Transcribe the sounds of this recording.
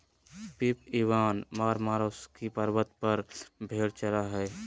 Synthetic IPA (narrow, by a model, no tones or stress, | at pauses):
pipiʋaːnmaːɾmaːɾoːskipəɾbət̪pəɾbʱeːɽt͡ʃəlaɦɛː